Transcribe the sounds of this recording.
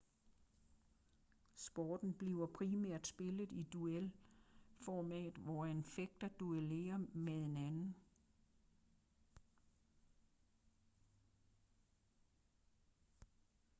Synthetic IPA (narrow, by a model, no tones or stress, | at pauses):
sb̥ɒːd̥n̩b̥liʊɐpʰʁimæɐ̰d̥sb̥e̝ləð̩ˠid̥uel | fɒmɛ̰ːd̩ˠʋɒænfeɡ̥̚d̥ɐd̥uele̝̰ːɐmee̝nænn̩